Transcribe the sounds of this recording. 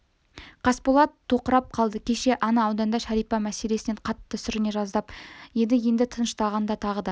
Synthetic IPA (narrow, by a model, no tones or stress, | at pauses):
qʰɑspolˠɑt̪ʰːo̞qəɾɑp̚qʰɑlˠd̪əkʲʰe̞ʃe̞ʔɑnɑːwd̪ɑnd̪ɑʃæɾijpɑmæse̞le̞sɪne̞ɴqʰɑt̪ːəsʏɾɪne̞ʒɑzd̪ɑpje̞d̪ɪje̞nd̪ɪt̪ʰənəʃt̪ɑʁɑnd̪ɑt̪ʰɑʁəd̪ɑ